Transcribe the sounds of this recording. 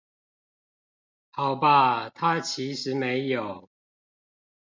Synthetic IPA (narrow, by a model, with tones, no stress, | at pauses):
hɑ˨˩ʊba˦t̪ʰa˦t͡ɕʰi˨˦ʂɻ̩˨˦me˨˦ɪjo˨˩ʊ